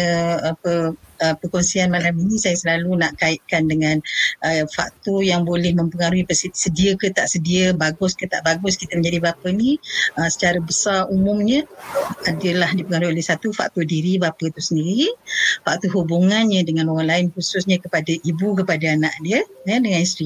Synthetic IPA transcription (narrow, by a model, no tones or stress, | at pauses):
apəəpəkonsianmalaminisajasəlalunaʔkaɪt̪̚kandəŋanʔəfa̰k̚t̪ojaŋbolɛhməmpəŋaɾuipəssədiəkət̪aʔsədiəbaɡʊskət̪a̰ʔbaɡʊskit̪əməɲd͡ʒadibapəniəsə̥t͡ʃaɾəbəsarumʊ̃mɲəadəlahdipəŋaɾuiolɛhsat̪ufa̰k̚t̪odiɾibapət̪usəndiɾifak̚t̪uɦubuŋanɲədəŋanoɣaŋlaɪnkusʊsɲəkəpadaʔibukəpadaanaʔdiəjədəŋanist̪ɾi